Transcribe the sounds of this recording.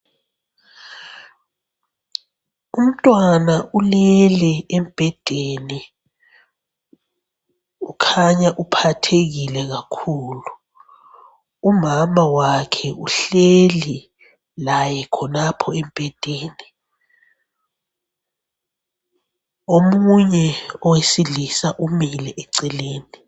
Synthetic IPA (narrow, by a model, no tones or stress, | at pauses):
um̩tʼwanaʔulɛlɛɛmb̥ʱɛd̥ʱeni | ukʰaɲaʔupʰatʰeɣilɛɣakʰuːlu | umamawakʰɛuɬeli | lajɛkʰɔnapʰɔɛmpɛd̥ʱeːni | omuɲɛɔwesiɮisaʔumilɛʔɛǀɛleːni